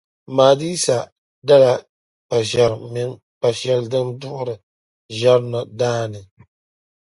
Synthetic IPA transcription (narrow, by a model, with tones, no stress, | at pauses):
maː˨diː˦sa˨ | da˦la˨ | pa˨ʃɛ˨ɾmɪ˦ŋ | pa˨ʃɛ˨ldɨ˦ŋdʊ˦ʔʊ˦ɾɨ˨ | ʒɛ˦ɾnɨ˨daː˦nɨ˨